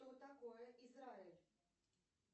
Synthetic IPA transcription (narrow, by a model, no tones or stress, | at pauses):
ot̪akoeisɾael